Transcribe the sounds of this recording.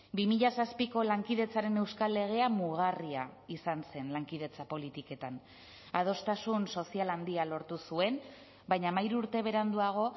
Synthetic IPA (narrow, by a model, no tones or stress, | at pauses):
bimiʎasaspiko̞laŋkiðe̞t͡saɾe̞ne̞wskalːe̞ɣ̞e̞amuɣariaisanse̞nlaŋkið̞e̞t͡sapo̞lit̪ike̞t̪an | að̞o̞st̪asunso̞sialand̪ialo̞ɾt̪usue̞n | bajɲamajɾuɾt̪e̞β̞e̞ɾand̪uaɣ̞o̞